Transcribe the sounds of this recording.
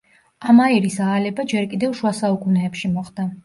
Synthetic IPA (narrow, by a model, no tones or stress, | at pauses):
amaiɾisaːlɛbad͡ʒɛɾkʼid̪ɛvʃwasaukʼunɛːpʃimɔχd̪̥a